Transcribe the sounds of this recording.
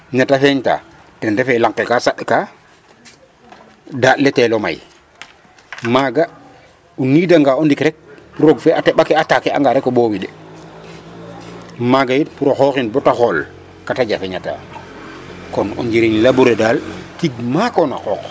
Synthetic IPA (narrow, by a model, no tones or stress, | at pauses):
ɲatafeɲta̰ | tɛndefelaŋkekasaɗka | daːtleteloma̰j | maɡa | unidaŋɡaːondikɾɛk̚puɾoɡfeʔatɛɓakeatakea̰ŋɡaɾekːoboːwiɗɛ | maɡajitpuɾoxokinbɔtaxol | kataɟafeɲata̰ | kɔnɔ̰ɲd͡ʒiɾiɲlabuɾedalkiɡ̚makona̰kɔːk